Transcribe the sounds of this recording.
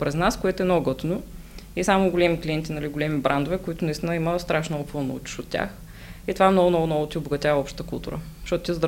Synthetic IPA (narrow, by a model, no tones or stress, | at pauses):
pɾɛznaskoɛt̪oɛnɔɡɔt̪noisamʊɡʊlɛmiklʲiɛnt̪ʲinɐliɡʊlɛmibɾand̪ʊvɛkʊit̪ʊnɐist̪inəiməst̪ɾaʃnopɤlˠnɐ̰ṵt͡ʃi̥ʃʊt̪tʲːa̰x | it̪ovaɛmnɔɡʊnɔɡʊnɔɡʊt̪ʲiʊboɡɐt̪ʲavɐɔpʃt̪t̪əkʊ̰lˠt̪ṵɾə̰̥ʃɔt̪ʊt̪ʲizd̪